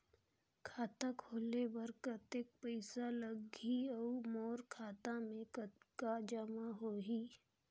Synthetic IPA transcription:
kʰaːt̪akʰoːlebɐɾkət̪ek̚pəɪsaləɡiɐmɔːɾkʰaːt̪ãmẽkkad͡ʒəmaɦoːɦiː

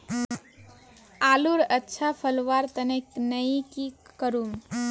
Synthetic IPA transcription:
aluɾətːʃʰapʰəlʋaɾt̪əneknəikikəɾum

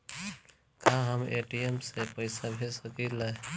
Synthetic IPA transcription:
kãɦəmeʈiemsepəjsabʱesəkila

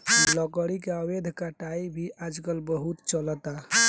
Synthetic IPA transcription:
ləkəɽikeawed̪ʱkaʈaibʱiʔad͡ʒɡəlbəɦut̪t͡ʃələt̪a

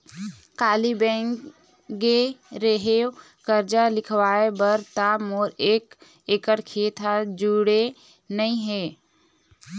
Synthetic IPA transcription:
kaːlibɛ̃ːŋk | ɡeɾəɦe | kəɾd͡ʒalɪkʰwaːebəɾt̪amɔːɾeːk | eːkəɾkʰeːt̪ʰad͡ʒuɽe | nəĩɦeː

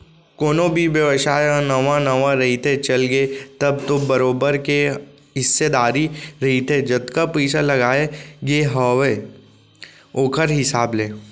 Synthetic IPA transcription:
koːnõbʱiʋjəʋʃaːeanɐʋãnɐʋãɾɐɦit̪ʰet͡ʃɐlɡet̪ɐb̚t̪obɐɾoːbəɾke | ɦɪsːed̪aːɾiɾɐɦit̪ʰed͡ʒɐt̪kapiːt͡ʃalɐɡaːeɡeɦɔːʋe | oːkʰəɾɦɪsaːbleː

